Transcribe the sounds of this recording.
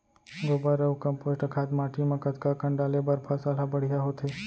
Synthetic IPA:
ɡobaɾəʋkəmposʈəkʰat̪maʈimãkət̪kakəɳɖalebəɾpʰasalabəɽ̤ijaɦot̪ʰe

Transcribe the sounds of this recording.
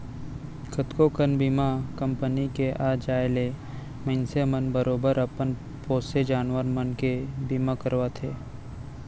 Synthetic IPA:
kʰət̪kokənbiːmakə̃mpənikeʔaːd͡ʒaːɪle | məɪnsemənbəɾoːbəɾəpən | poːsed͡ʒaːnʋəɾmənkebimakəɾʋat̪ʰeː

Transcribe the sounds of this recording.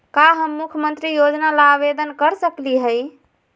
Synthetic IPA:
kaɦəmːukʰjəmənt̪ɾijod͡ʒnalabed̪ənkəɾsəkliɦəj

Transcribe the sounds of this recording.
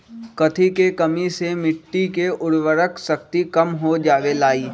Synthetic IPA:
kɐt̪ʰikekɐmisemɪʈːikeʊɽʋəɾəksɐk̚t̪ikɐmɦod͡ʒaːʋelaːiː

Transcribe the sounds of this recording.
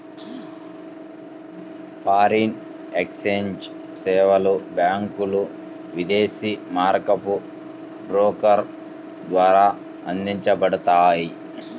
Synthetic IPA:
paːɾin | ekseɲd͡ʒ | sɛːʋɐlubjaːŋkulu | ʋid̪eːsiːmaːɾkɐpu | bɾoːkɐɾ | d̪ʋaːɾaː | ɐnd̪iɲt͡ʃɐpɐɽut̪aːji

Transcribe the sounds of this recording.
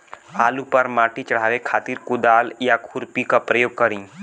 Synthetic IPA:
aːlupɐɾmaːʈit͡ʃɐɽ̤aːʋekʰaːt̪iːɾkʊd̪aːljakʰʊɾpikapɾɐjoːɡ̚kɐɾĩː

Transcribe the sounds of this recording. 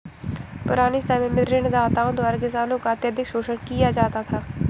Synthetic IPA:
pʊ̰ɾaːnisɛmemɪd̪ɾend̪aːt̪aːõnd̪oaːɾɡɪsaːnõkaɐt̪jəd̪ʱɪkʃoːʃəɽkijad͡ʒaːt̪at̪ʰaː

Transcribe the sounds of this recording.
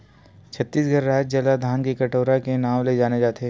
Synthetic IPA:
t͡ʃʰɐt̪ːiːsɡʱɐɾːɛːt̪̚d͡ʒɐlad̪ʱaːnkikɐʈoːɾakenaːʋled͡ʒaːned͡ʒaːt̪eɦɛː

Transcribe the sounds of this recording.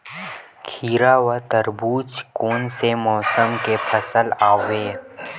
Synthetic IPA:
kʰiːɾaːwət̪əɾbuːt͡ʃkoːnsemɔːsəmkepʰəsəlaːweː

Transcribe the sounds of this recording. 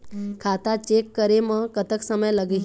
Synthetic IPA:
kʰaːt̪at͡ʃeːkːəɾemə̃kət̪əksəməjləɡəɦ

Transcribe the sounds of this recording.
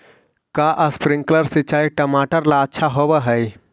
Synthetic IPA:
kaʔəspɾɪ̃ŋkləɾsit͡ʃaːiʈəmaːʈəɾlaətːʃʰaɦobəɦəj

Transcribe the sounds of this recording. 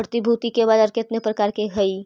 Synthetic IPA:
ɾt̪ibʱuːt̪ikebaːd̪ɐɾket̪nepɾɐkaːɾkeɡʱɐiː

